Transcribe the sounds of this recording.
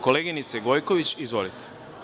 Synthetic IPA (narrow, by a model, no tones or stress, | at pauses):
ko̞leɡinit̪seɡo̞jko̞ʋit͡ɕizʋolit̪